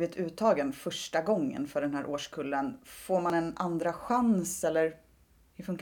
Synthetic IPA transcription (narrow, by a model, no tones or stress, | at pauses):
vɪt̪ʰʉ̟ːt̪ʰːɑːɡənfœʂʈaɡɔŋːə̰nfœɖɛnɦæːɾʔoːʂkʰɵlːənfoːɾmanɛnʔand̪ɾaɧansɛlːəɾ | hɵɾfɵŋk